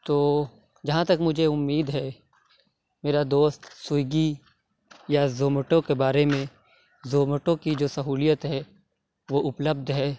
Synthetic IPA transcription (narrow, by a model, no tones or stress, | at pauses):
t̪oː | d͡ʒɐɦãt̪ɐkmʊd͡ʒʱeʊmːiːd̪ɦɛː | meːɾad̪oːst̪sʊjɡi | jazoːməʈõkebaːɾemẽ | zoːməʈõkid͡ʒoːsɐɦuːlijət̪ɦɛ | ʋoʔʊpləb̚d̪ʱɦɛː